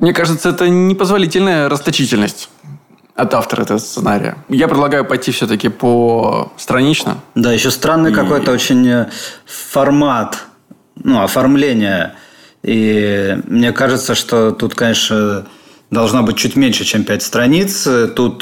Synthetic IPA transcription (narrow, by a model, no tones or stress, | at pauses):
mnʲekaʐɨt̪səɛt̪ənʲɪpəzvɐlʲitʲɪlʲnəjəɾəst̪ɐt͡ɕitʲɪlʲnəsʲtʲ | ɐt̪aft̪əɾəɛt̪əvəst̪sɨnaɾʲɪ̰jə̰japɾʲɪd̪lˠɐɡajʊpɐjtʲːifsʲɵt̪əkʲɪpəst̪ɾɐnʲit͡ɕnə̰d̪ajɪɕːost̪ɾanːɨjkɐko̞jt̪əot͡ɕɪnʲ | fɐrmat̪ | nuɐfɐrmlʲenʲɪjə | i | mnʲe̞kaʐɨt̪səʂt̪o̞t̪ut̪kɐnʲe̞ʂnə | d̪ɐlˠʐnabɨt̚ʲt͡ɕutʲmʲenʲʂɨt͡ɕempʲætʲst̪ɾɐnʲit̪st̪ut̪